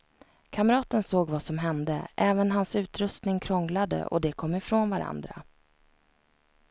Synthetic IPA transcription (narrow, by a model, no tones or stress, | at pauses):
kʰaməɾɑːt̪ənsoːɡvasɔmɦɛnd̪əʔɛːvənɦansʉ̟ːt̪ɾɵst̪nɪŋkʰɾɔŋlad̪ə̰ʔɔ̰d̪ɛkʰɔmːɪfɾoːnvaɾa̰nd̪ɾa̰